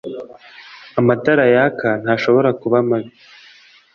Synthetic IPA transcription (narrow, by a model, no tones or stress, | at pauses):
amadaɾajakan̥haːʃo̞βo̞ɾakuβamaβi